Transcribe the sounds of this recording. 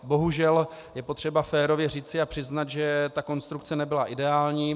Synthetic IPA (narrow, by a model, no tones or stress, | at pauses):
bo̞ɦuʒɛl | jɛpo̞t̪r̝̥ɛbafɛːɾo̞vjɛr̝iːt͡sɪapr̥ɪznat̪ʒɛt̪ako̞nst̪ɾukt͡sɛnɛbɪlaʔɪdɛaːlɲiː